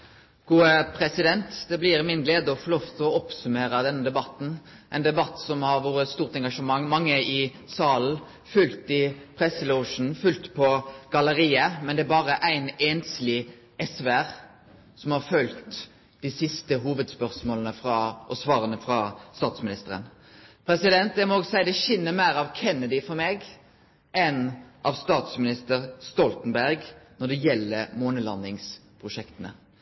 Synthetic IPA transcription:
ɡ̥uːəpʰɾɛsɪd̪ɛnt̪d̪ɛblɪɾmɪnɡleːd̪əɔfɔɾloːft̪ʰɔɔpsʉmeːɾəd̪ɛnːəd̪ɛbɑt̪n̩ | ʔæɪnd̪ɛbɑt̪ːsɔmhɑɾʋoːɾəst̪uːʁt̪ɛŋɡɑʂəmɑŋːmɑŋːəɪ | sɑːln̩ | fʉlt̪ɪpʰɾɛsːəluʊʂn̩fʉlt̪pʰɔɡ̥ɑləɾiːəmɛnd̪ɛæbɑːɾəʔæɪneːnslɪ | ʔɛsʋæʁ | sɔmhɑɾfœlt̪ | d̪̥ɪsɪst̪əɦuːʋəd̪spœʁsmoːlənəfɾɑʔɔsʋɑːɾənəfʁɑst̪ɑːt̪smɪnɪst̪əɾə̰n | pʰɾɛsɪd̪ɛnt̪̚d̪ɛmɔoːɡsæɪd̪ɛçɪnːəmæɪɾɑʋkʰɛnːəd̪ɪfɔɾmeːɡ | ʔɛnʔɑʋst̪ɑːt̪smɪnɪst̪əʁst̪ɔlt̪nbæɾɡnɔɖ̪ɛjɛlːəɾmoːnəlɑ̰nːɪŋspʰʁʊʂɛkt̪ənə̰

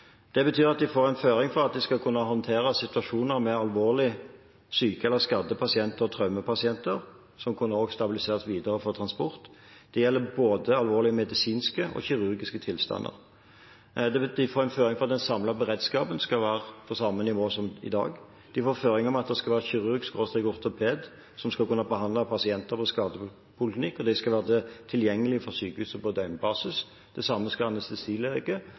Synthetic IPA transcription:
d̪̥ɛbət̪ʰyːɾɑt̪̚d̪ɪfoːɾæɪnføːɾɪŋfɔʁɑt̪̚d̪ɪskɑlkʰʉnːəɦɔnt̪ʰeːɾəsɪt̪ʉɑʂuːnəɾmɛɑlʋoːʁlɪ | syːkəɛlːəɾskɑd̪əpʰɑsɪɛnt̪əɾɔt̪ʰʁœʉməpʰɑsɪɛnt̪əɾ | sɔmkʰʉnːəɾoːɡst̪ɑbɪlɪseːʁsʋiːd̪əɾəfɔʁt̪ʰɾɑnspɔɾt̪d̪̥ɛjɛlːəboːd̪əɑlʋoːɾlɪəmɛd̪ɪsiːnskəʔɔ̰çɪʁʉʁɡɪskət̪ʰɪlst̪ɑ̰nːə̰ʁ | d̪ɛd̪ɪfoːɾæɪnføːɾʁɪŋfɔʁɑt̪d̪ɛnsɑmlɑbəʁeːd̪skɑːpənskɑlʋæːʁəpʰɔsɑmːənɪʋoːsɔmɪ̰d̪ɑ̰ːɡ | d̪̥ɪfoːɾføːʁɪŋɔmɑt̪̚d̪ɛskɑlʋæːʁəçɪʁʉɾɡskoːst̪ɪɡʊʁt̪ɔpʰeːd̪ | sɔmskɑlkʉnːɑbəɦɑnd̪lɑpʰɑsɪɛnt̪əɾpʰɔskɑːd̪ə | pʊlɪt̪ɪkːɔd̪ɛɪskɑʋæːʁət̪ʰɪljɛŋːəlɪfɔsyːkəhʉːsəpɔd̪œʏmbɑːsɪs | d̪̥ɛsɑmːəskɑɑnɛst̪əsiːleːɡə

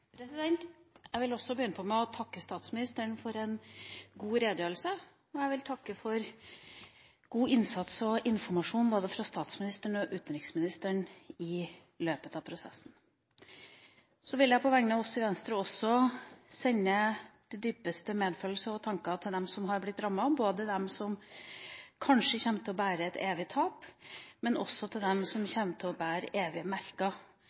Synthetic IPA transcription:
pʰɾɛsɪd̪ɛnt̪jæɪʋɪlɔsːɔbəjʏnəpʰɔmɛɔt̪ʰɑkːəst̪ɑːt̪smɪnɪst̪əɳfɔɾɛnɡuːɾeːd̪jøːɾl̩sə | ɔjæɪʋɪlt̪ʰɑkːəfɔɾ | ɡ̥uːɪnsɑt̪sɔʔɪnfɔɾmɑʂuːnboːd̪əfɾɑst̪ɑːt̪smɪnɪst̪əɳɔʔʉːt̪nɾɪksmɪnɪst̪əɳɪ | løːpət̪ɑʋpʰɾʊsɛ̰sːn̩ | sɔʋɪljæɪpʰɔʋæŋnɑɔsɪʋɛnst̪ɾəɔsːɔsɛɲːəd̪̥ɪd̪yːpəst̪əmeːd̪fœːlsəɔt̪ʰɑŋkɑt̪ʰɪld̪ɛmsɔmɦɑɾblɪt̪ːɾɑmːɑboːd̪əd̪ɛmsɔm | kʰɑnʂəçɛnːt̪ʰɪlɔbæːɾəɛt̪ʰeːʋɪt̪ʰɑːpmɛnʔɔ̰sɔt̪ʰɪld̪ɛmsɔmçɛnːət̪ʰɪɔbæːɾə̰ʔeːʋɪmæɾkɑ

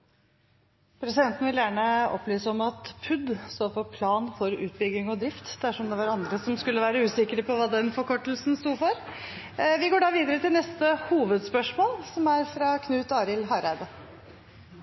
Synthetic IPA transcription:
pʰɾɛsɪd̪ɛnt̪ən̩ʋɪljæːɳəɔ̰plyːsəɔmɑt̪pʰʉd̪st̪oːfɔpʰlɑːnfɔɾʉ̰ːt̪̚bʏɡːɪŋɔd̪ɾɪft̪d̪æʂɔmd̪ɛʋɑɾɑnd̪ɾəsɔmskʉlːəʋæːɾəʉːsɪkəɾəpɔʋɑːd̪ɛnfɔɾkʰɔʈəl̩sn̩st̪uːfɔɾ | ʋɪɡoːɖɑːʋiːd̪əɾət̪ʰɪlnɛst̪əhuːʋəd̪spœʂmoːlsɔmæɾfɾɑkʰnʉːt̪ɑːɾɪlɦɑɾæɪd̪ə

